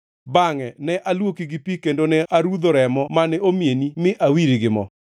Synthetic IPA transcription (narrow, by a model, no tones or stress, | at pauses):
baŋɛnɛʔalwokiɡipikendonɛʔaɾud̪oɾɛmɔmanɛomjenimɪʔawiɾiɡɪmɔ̰